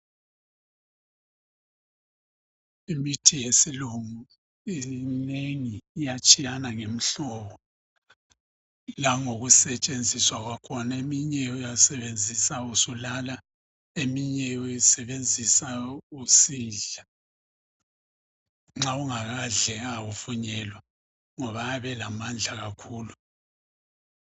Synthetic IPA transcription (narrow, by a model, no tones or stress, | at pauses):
imitʰijesiluŋu | ineŋiːjat͡ʃʼijanaŋem̩ɬɔβɔ | laŋoɣusɛt͡ʃʼend͡zʱiswaɣwakʰɔnaemiɲɛujasɛβend͡zʱisausulala | emiɲɛujisɛβend͡zʱisausiːɮa | ŋ͡ǁauŋaɣaɮɛɣaufuɲɛːlwa | ŋɔβaaβɛlamand͡ɮʱaɣakʰuːlu